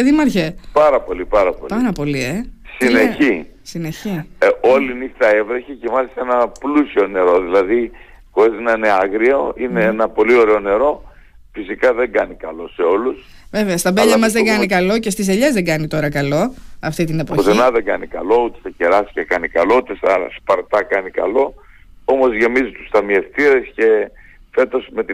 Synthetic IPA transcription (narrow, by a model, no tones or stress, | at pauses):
eðimɐɾçepɐɾɐpo̞lipɐɾɐpo̰lpɐɾɐpo̞liesineçisineçio̞linixt̪ɐevɾeçecemɐsienɐplusio̞ne̞ɾo̞ðilɐði | koezinɐneɐɣɾio̞ine̞enɐpo̞lio̞ɾeone̞ɾo̞ | fisikɐðeŋɡɐnikɐlo̞se̞olus | ve̞veɐst̪ɐbelʎɐmɐzðeɡɐnikɐlo̞ce̞st̪iseʎezðeɡɐnit̪o̞ɾɐkɐlo̞ɐft̪it̪ine̞pooçsenɐðeŋɡɐnikɐ̰lo̞ut̪eθɐce̞ɾɐsi̥cekɐnikɐlo̞ut̪e̞sɐspɐɾt̪ɐkɐnikɐ̰lo̞ | o̞mo̞zʝe̞mizit̪u̥st̪ɐmie̞ft̪iɾesce̞ | fe̞t̪o̞sme̞t̪